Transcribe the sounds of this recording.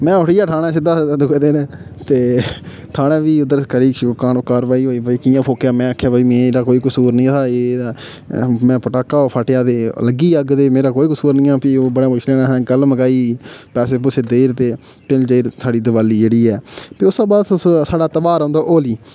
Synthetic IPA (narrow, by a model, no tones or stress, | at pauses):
mɛ̃ːʊʈʰijaːʈʰaːɽ̃ãːsɪd̪aːd̪ʊked̪eːnt̪eː | ʈʰaːɽãːʋiːʊd̪əɾkəɾiːkaːnkaːɾʋaːiːɦoːiːbiːkɪjãːpʰoːkjaːmɛ̃ːakʰːjaːbiːmeːɾaːkoːiːkəsuːɾnĩːt̪ʰaːeːa | mɛ̃ːpəʈaːkːaːoːpʰaːʈɪjaːt̪eːləɡiːəɡd̪eːmeːɾaːkoːiːkəsuːɾnĩːãːpioːbəɽãːpʊt͡ʃʰleːnaːsɛ̃ːɡəlməɡaːiːpɛːseːp̬ʊsʰeːd̪eːɾt̪eː | t̪ɪld͡ʒeːɾsaːɖiːd̪əʋaːliːd͡ʒeːɽiːɛːpeːʊsãːbaːd̪t̪ʊssaːɖaːt̪əbaːɾãːnd̪aːʔoːliː